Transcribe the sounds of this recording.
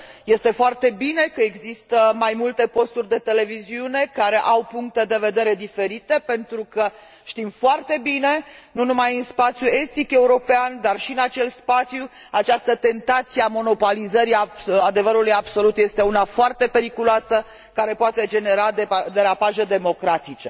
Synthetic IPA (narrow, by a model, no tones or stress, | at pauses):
je̞st̪e̞foart̪e̞bine̞kəeɡzist̪əmajmult̪e̞po̞st̪urʲd̪e̞t̪e̞le̞viziune̞kaɾe̞ʔawpuŋk̚t̪e̞d̪e̞ve̞d̪e̞ɾe̞d̪ife̞ɾit̪e̞pe̞nt̪ɾukə | ʃt̪imfoart̪e̞bine̞nunumajɨnspat̪sʲjue̞st̪ike̞uɾo̞peand̪arʃiɨnat͡ʃe̞lspat̪sju | at͡ʃast̪ət̪e̞nt̪at̪sieamo̞no̞polizəɾiaad̪e̞vəɾulujabso̞lut̪je̞st̪e̞unafoart̪e̞pe̞ɾikuloasə | kaɾe̞poat̪e̞d͡ʒe̞ne̞ɾad̪ed̪e̞ɾapaʒed̪e̞mo̞kɾat̪it͡ʃe̞